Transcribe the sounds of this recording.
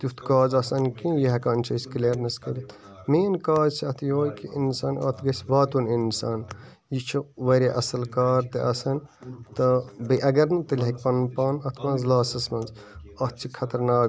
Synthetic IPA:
t̪jut̪ʰkaːzɐsɐnkĩjiɦɐkaːnt͡ʃʰɐskleːɾnɐskɐlit̪ | meːnkaːd͡ʒt͡ʃʰiɐt̪ʰjoːjkiʔinsaːnɐ̰t̪ʰɡɐsʋaːt̪uninsaːn | jit͡ʃʰiʋɐɾeʔɐsɐlkaːɾt̪eʔɐsɐnt̪ɐbɐʔɐɡɐɾnɨt̪ɐlʲɦek̚ʲpɐnpaːnɐt̪ʰmɐ̃nzlaːsɐsmɐnz | ɐt̪ːt͡ʃʰikʰɐt̪ɐɾnaː

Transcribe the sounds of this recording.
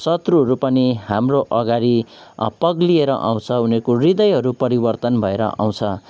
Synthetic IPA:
sʌt̪ruɦʌɾupʌniɦamroʔʌɡaɾipʌɡlieɾʌ̰ʔa̰w̃t͡sʰʌunekorid̪ʌjɦʌɾupʌɾibʌrt̪ʌnbʱʌeɾʌ̰ʔa̰w̃t͡sʰʌ

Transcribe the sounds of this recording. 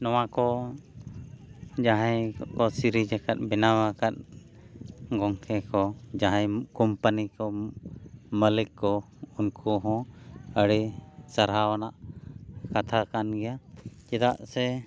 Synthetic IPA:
nɔwakɔ | d͡ʒaɦãjkɔsiɾid͡ʒakat̪̚bɛnawakat̪̚ | ɡɔŋkʰɛkɔd͡ʒaɦãjkɔmpanikɔ | məlikːɔ | unkʰuɦɔ̃əɽisaɾɦawanaʔ | kat̪ʰakanɡɛjad͡ʒɛd̪aʔsɛ

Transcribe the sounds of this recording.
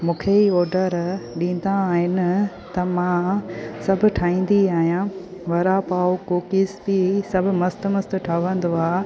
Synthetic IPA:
mũːkʰeiɔːɾɖəɾɗĩːn̆d̪aːɦɪnɪ̆ | t̪ɐmãsɐbʱʊ̆ʈʰaːĩːn̆d̪iaːɦijãʋɐɾapaːokoːkisbisɐbʱʊ̆mɐst̪mɐst̪ʈʰaːʋə̃nd̪oaː

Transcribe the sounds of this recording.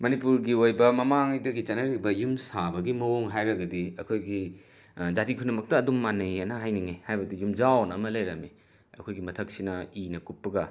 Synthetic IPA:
mɐnipuɾɡiojbɐmɐmaŋdɐɡit͡ʃɐnɐɾibɐjumsabɐɡimɐwoŋɦajɾɐɡɐdiɐ̰kʰojɡi | d͡ʒatikʰunːɐmɐk̚tɐːdumːanɐjanɐɦajniŋehajbɐdijumd͡ʒawnɐmɐlɐjɾɐmi | ɐ̰kʰojɡimɐtʰɐk̚sinɐinɐkupːɐɡɐ

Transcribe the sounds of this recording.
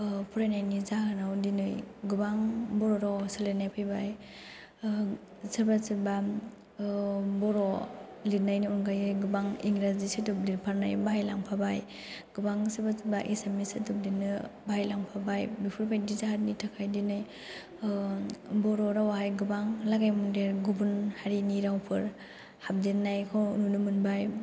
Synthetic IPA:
pʰuɾajnajnizaɦanawdinɯjɡubaŋbɔɾɔɾasalenajpʰajbaj | saɾbasiba | bɔɾɔlinajniɔnɡajɯjɡɯbaŋiŋɾazisidub̚liɾpʰaɾnajbajlaŋpʰabaj | ɡ̥ubaŋsɯbasɯbaʔesemisɯtɯp̚dinɯbajlaŋpʰabajbipʰɯɾbʰajdizaɦaɾnitʰakʰajdinaj | bɔɾɔɾawaɦajɡɯbaŋlaɡajmundeɾɡubunhaɾiniɾawpʰɯɾ | hap̚denːajkʰɔnunɯmɯnbaj

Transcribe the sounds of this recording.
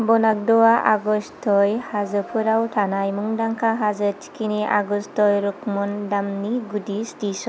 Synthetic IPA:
bɔnak̚dɔwaʔaɡɔstʰɔjhazɯpʰɯɾawtʰanajmuŋdaŋkʰaɦazɯtʰi̥kiniʔa̰ɡɔstɔjɾɔkmɔndamniɡudistisɔ

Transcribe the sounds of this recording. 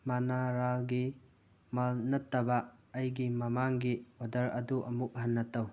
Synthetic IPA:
manaɾalɡi | malnɐtːɐbɐɐjɡimɐmaŋɡiodɐɾɐduʔɐmuk̚hanːɐtɐw

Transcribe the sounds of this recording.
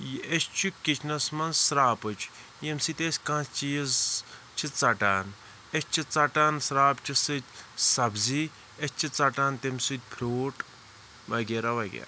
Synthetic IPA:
jest͡ʃʰikit͡ʃʰnɐsmɐnsɾaːpɨt͡ʃʰ | jemsit̪ʲesʲkãːst͡ʃijizt͡ʃʰit͡sɐʈaːn | est͡ʃʰit͡sɐʈaːnsɾaːpt͡ʃʰisɨt̪ʲsɐbzi | est͡ʃʰit͡sɐʈaːnt̪emsɨt̪̚ʲpʰɾoːʈ | ʋɐɡʲeɾɐʋɐɡʲḛ

